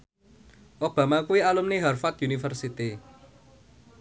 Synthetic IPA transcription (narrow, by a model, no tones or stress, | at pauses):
ʔob̥a̤makuwialumniɦarfat̪junifərsit̪i